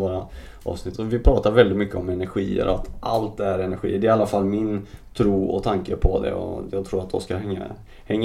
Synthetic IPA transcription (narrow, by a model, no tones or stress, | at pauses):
voːɾa | ʔɑ̰ːvsnɪt̪ʰːɔvɪpʰɾɑːt̪aɾvɛld̪ɪt̪mʏkːəɔmɛnæɾɧiːə̰ɾɔat̪ʔalt̪æɾɛnæɾɧḭːəɖɛalːafalːmɪnt̪ʰɾuːɔ̰t̪ʰaŋkəpʰɔd̪ɛ̰ɔ̰jɑːɡ̚t̪ʰɾuːɾat̪̚d̪ɔskahɛŋːa̰ | hɛŋː